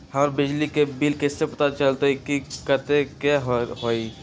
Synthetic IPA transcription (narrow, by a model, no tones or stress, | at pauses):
həɾbɪd͡ʒlikebɪlkesepɐt̪at͡ʃəlt̪eɛkikət̪ekeɦɦoːi